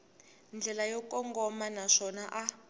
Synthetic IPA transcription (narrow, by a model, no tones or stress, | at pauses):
nd͡ɮʱɛlajɔkɔŋɡɔmanaʂɔnaʔa